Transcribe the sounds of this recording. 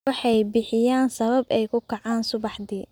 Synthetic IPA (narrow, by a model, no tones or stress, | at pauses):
wɑħɑjbɪħɪjaːnsɐβɐbɛjkʰʊkʰɐʕɑːnsʊβɑħd̪iː